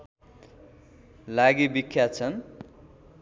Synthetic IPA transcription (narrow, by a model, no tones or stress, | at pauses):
laɡibikʰːjat͡sʰʌn